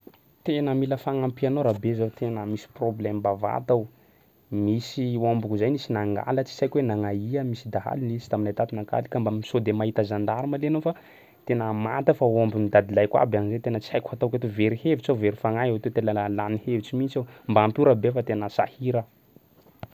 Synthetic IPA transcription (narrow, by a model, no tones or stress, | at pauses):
t̪enəmiləfaŋampianoɾabezot̪ʰenəmisi̥problɛmbava̰t̪aw | misiombukuzajnisinaŋɡa̰lət͡si̥sajkwenaŋaiəmisid̪aɦa̰linizi̥t̪aminajt̪at̪inaka̰likəmbamisod̪emaɦit̪əzand̪aɾimalenofa | t̪enəmat̪əfaombimid̪ad̪ilajkwa̰banizet̪enət͡si̥ajkʲuhat̪awkʲat̪uveɾihevit͡sawveɾifaŋaɦeat̪et̪enəalanihevit͡simint͡sambaampuɾabefat̪enəsahiɾə